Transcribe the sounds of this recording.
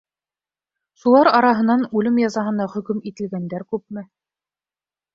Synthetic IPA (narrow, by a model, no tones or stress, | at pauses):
ʃulˠɑɾɑɾɑɦɤ̆nɑnʉlɘmjɑzɑɦɤ̆nɑχɵ̆kɵmit̪ɘ̆lɡænd̪æɾkʉp̚mɘ